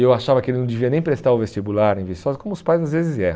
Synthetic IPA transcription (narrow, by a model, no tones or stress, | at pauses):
ewaʃavɐkɪelɪnɐ̃w̃d͡ʒɪviɐnẽj̃pɾest̪aɾʊvest͡ʃibulaɾẽvisɔzɐkõmʊspajzazvezɪzɛɾ̃